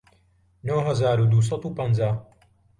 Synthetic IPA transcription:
noːɦɐzaːɾud̪uːs̬ɑt̪upɐnd͡zaː

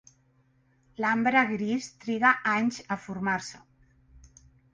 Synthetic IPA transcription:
lambɾəɣɾist̪ɾiɣaʔaɲzəfuɾmaɾsə

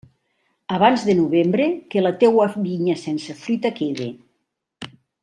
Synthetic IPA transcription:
aβ̞anzðenuβembɾekelat̪ewaβiɲasɛnsefɾyt̪akeðḛ

